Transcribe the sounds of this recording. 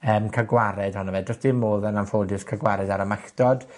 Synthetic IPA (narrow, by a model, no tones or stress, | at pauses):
əːmkʰaɡwaɾɛd̥hɔnɔvɛdɔsd̥imoːðənamfoːdɨskʰaɡwaɾɛdaɾəmaɬd̥ɔd̥